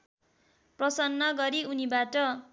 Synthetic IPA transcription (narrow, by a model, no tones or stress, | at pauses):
prʌsʌnːʌɡʌɾiunibaʈʌ